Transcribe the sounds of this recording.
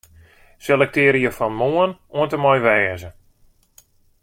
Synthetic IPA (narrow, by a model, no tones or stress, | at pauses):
selɛk̚tɪːɾijəfɔnmoənuəntəmɔjʋɛːzə